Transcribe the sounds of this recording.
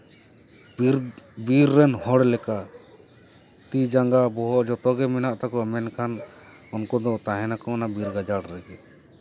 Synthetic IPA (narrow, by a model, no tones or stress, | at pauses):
bɾbiɾːɛnhɔɽlɛka | t̪id͡ʒaŋɡabɔɦɔʔd͡ʒɔt̪ɔɡɛmɛnaʔt̪akɔamɛnkʰanɔnkɔd̪ɔt̪aɦɛnakɔnabiɾɡad͡ʒaɽɾaɡɛ